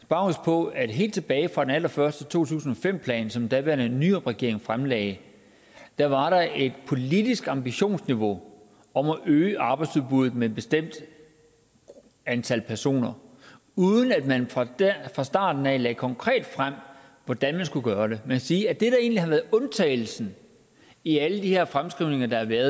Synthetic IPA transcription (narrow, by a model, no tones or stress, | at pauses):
sb̥ɑ̈ʊspʰɒ̽æd̥ɦe̝̰ːld̥t͡sʰe̝b̥ɛːɪfʁɑ̈d̥enælɐfɶɐsd̥ət͡sʰo̝̰ːt͡sʰṵːsn̩ɒ̽fem̰pʰlɛ̰ːnsɒ̽md̥æʋæɐnənyːɐʁɛɡ̥e̝ɐ̰e̝ŋfʁamlɛːɪ | d̥æʋɑ̈ɾ̥ɑ̈e̝d̥pʰo̝lid̥isɡ̥ɑ̈mb̥iɕo̝̰ːnsniʋo̝ | ɒ̽mæʔøːəʔɑ̈ːb̥ɑ̈ɪ̥suðˠb̥uð̩ˠmeed̚b̥esd̥em̰d̥ | ænt͡sʰælpʰæɐso̝̰ːnɐ | uð̞ˠən̩æd̥mænffʁɑ̈sd̥ɑ̰̈ːd̥n̩ɛlɛːkʰɒ̽ŋkʰʁɛ̰ːd̥fʁam̰ | ʋɒd̥ænmænsɡ̥uɡ̥ɶːɐd̥e̝mænkʰæsiːæd̥e̝ɾ̥ɑe̝̰ːnlihɑ̈ʋæːɐð̩ˠɔ̽nt͡sʰɛ̰ːɪl̩sn̩ | iæləd̥ihe̝ɐfʁamsɡ̥ʁiʊ̰ne̝ŋɐd̥ɑ̈hæʋæɐð